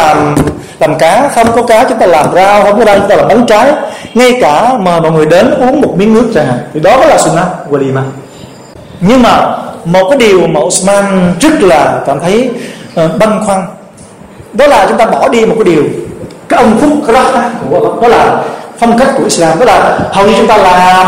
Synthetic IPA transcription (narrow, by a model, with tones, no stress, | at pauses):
aː˨˩m | laː˨˩mkaː˨˦xə˧wŋ͡mkɔ˨˦kaː˨˦t͡ɕʊ˨˦ŋ͡mt̪aː˧laː˨˩mzaː˧xə˧wŋ͡mkɔ˦zaː˧t͡ɕʊ˧˦ŋ͡mt̪aː˧laː˨˩ɓa˨˦nt͡ɕaː˨˦jŋa˧jkaː˧˩məː˨˩jmɔ̰˧˨jŋɨ˨˩əjɗe˨˦nʔu˨˦əŋmo˨˩t̚mi˨˦nːɨ˦˥ək̚t͡ɕaː˧˩ŋha̰ː˨˩ŋt̪ʰi˨˩ɗɔ˨˦kɔ˨˦laː˨˩sʊ˧nːaː˧t̚ɣwa˧li˨˧˩maː˧ | ɲɨ˧ŋmaː˨˩mo˨˩t̚kaː˨˦jɗi˨˩əwmaː˨˩ʔʊ˨˧smaː˧nt͡ɕɨ˦˥k̚laː˨˩kaː˧˩mt̪ʰə˨˦j | ɓa˧ŋkwa˧ŋ | ɗɔ˨˦laː˨˩t͡ɕʊ˨˦ŋ͡mt̪aː˧ɓɔ˧˩ɗi˧mo˨˩t̚kaː˨˦ɗi˨˩əwkaː˨˦jʔə˧ŋ͡mfʊ˦˥k͡p̚za˦˥t̪aː˨˦ku˧˩˧ɗɔ˨˦laː˨˩fə˧wŋ͡mkk̚ku˧˩əʔi˦˥slaː˧mɗɔ˨˦laː˨˩hə˨˩wɲɨ˧t͡ɕʊ˨˦ŋ͡mt̪aː˧laː˨˩